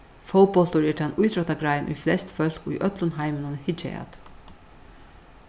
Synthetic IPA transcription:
fowpɔl̥t̪ʊɹɛʈanʔujt̪ʰɾɔt̪aɡɾajɪnʔṵjflɛst̪fœl̥kṵjʔœt̪lʊnɦajmɪnʊnhɪt͡ʃɛ̰a̰t̪

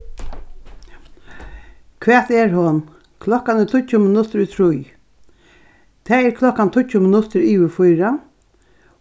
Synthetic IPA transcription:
kʰʋɛːt̪ɛɹɦɔn | kʰlɔkanɪt̪ʰʊcʊmɪnʊt̪ɪɾʊt̪ʰɾʊj | t̪ʰɛːɛɾkʰlɔkant̪ʰʊcːʊmɪnʊt̪ɪɾiːʋɪfʊjɾa

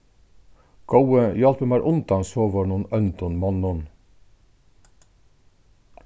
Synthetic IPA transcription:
ɡ̥ɑwəḭːɑlpʉmæːɾʔʊnt̪ɑnsoːʋəɳuːnœnt̪ɔnmɔnːɔn

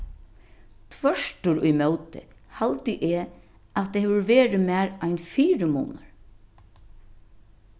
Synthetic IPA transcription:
t̪ʰvœʂʈʊɾʊjmœːwt̪ɪ̰halt̪ɪʔe | at̪̚ːehɛʋʊɾʋeːɾɪmæːɾajnfiːɾɪmṵːnaɹ

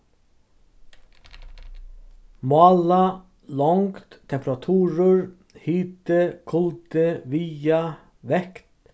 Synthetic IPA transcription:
mɑːlɑ | lɔŋkt̪t̪ʰːɛmpɾɑt̪ʰuːɾəɹ | hiːt̪əkʰʊlt̪əʋiːɑ | ʋɛkt̪

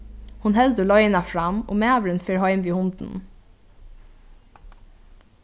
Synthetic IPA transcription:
hʊnhɛld̪əlɔjənafɹamo̰ːmæːʋɾənfeːɹhɑʏmʋiːhʊnt̪n̩

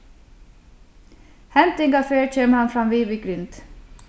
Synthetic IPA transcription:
hɛnt̪ɪŋɡɑfeːɹc͡çøːməhɑnfɾɑnʋiːʋɪɡɾʏnt̪

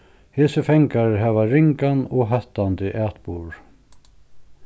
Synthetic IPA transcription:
heːsəfɛŋkaɾɦɛːʋaɾɪŋkanɔɦɛht̪ant̪ɪʔæːt̪buːɹ

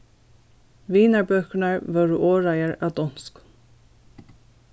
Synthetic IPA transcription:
viːnaɹbœːknaɹvɔːɾʏʔoːɹajaɹa̰wd̪ɔn̥sk

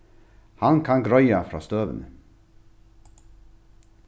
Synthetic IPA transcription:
hɑnkʰɑnɡɾœʏɑfɾɑ̰ːst̪øːʋə̰nə

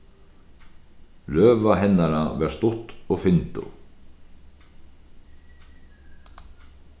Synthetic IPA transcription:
lœːvaɦɛnːaɾavɛɾ̥st̪ʊht̪ɔɣfɪnt̪ʊ̰

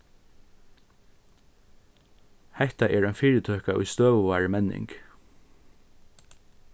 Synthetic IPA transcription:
hɛht̪aʔɛːɹœnfiːɹət̪ʰœhkaʔʊ̰jst̪øːʋəʋɑːɹmɛnːɪ̰ŋk

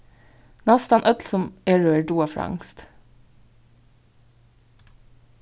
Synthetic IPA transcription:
nɑst̪ɑnʔœt̪lsɔmeːɹøːəɖuːɑfɾɑ̰ŋst̪

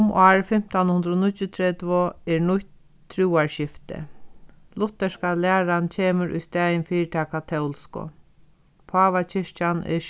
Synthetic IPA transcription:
mɑːɹfɪm̥t̪anhʊnd̪ɾoːnʊʊt̪ʰɾɛt̪voɛɹnʊçt̪ | t̪ʰːɾuːaɹɕɪft̪ɪ̰ | lʊt̪ːɛʂkalɪæːɾant͡ʃʰeːməɾʔʊ̰jst̪ɛːjɪnfiːɹt̪ʰɛːkʰat̪ʰɛwlskʊ̰ | pʰaːʋat͡ɕʰɪʂt͡ʃanɪ̰

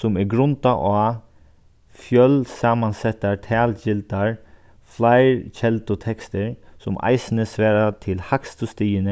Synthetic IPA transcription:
sʊmɛɾɡɾʊnt̪aʔaː | fjœlsaːmansɛt̪ːaɹt̪ʰæːld͡ʒɪlt̪aɹ | flaɪɹt͡ʃʰɛlt̪ʊt̪ʰɛkst̪ɪɹsʊmʔa̰ɪsnəsʋɛːɾat̪ʰɪlhakst̪ʊst̪iːənə

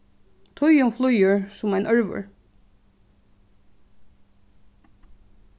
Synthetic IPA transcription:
t̪ʰʊʏʊmflʊjəɹsʊmæɪnʔœɹʋə̰ɹ

